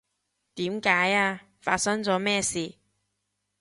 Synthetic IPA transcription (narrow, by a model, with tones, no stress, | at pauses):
t̪iː˨˥mkaː˨˥jaː˧ | fa̰ː˧t̚sɐ˥ŋt͡sɔː˨˧˥mɛː˥˩siː˨˧